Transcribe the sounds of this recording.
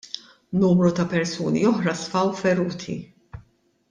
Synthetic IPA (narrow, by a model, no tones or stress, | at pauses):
nuːmɾut̪ɐpɛɾsuːnḭɔħɾɐsfɐwfɛɾuːt̪ʰḭ